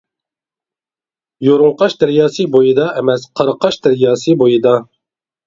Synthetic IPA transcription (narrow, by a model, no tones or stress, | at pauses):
joɾuŋqɑʃd̪æɾjɑːsɨbojɨd̪ɑʔɛmɛsqʰɑɾɑqʰɑʃd̪æɾjɑːsɨbojɨd̪ɑ